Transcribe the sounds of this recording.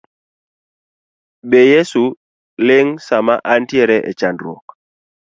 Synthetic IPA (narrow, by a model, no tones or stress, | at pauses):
ɓɛjɛsu | lɪŋsamaʔantjɛɾɛʔɛ̰t͡ʃandɾɔk